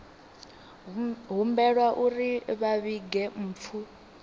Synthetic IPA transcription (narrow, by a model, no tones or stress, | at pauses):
ɦumbɛɺwaʔuɾiβaβiɡɛm̩ːp̪fʰu